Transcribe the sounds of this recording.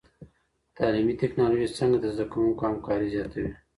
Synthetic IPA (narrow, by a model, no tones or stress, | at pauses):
t̪ɑːlimit̪ɪknɑloʒisəŋɡad̪əzd̪akawuŋkohamkɑɾizjɑt̪awi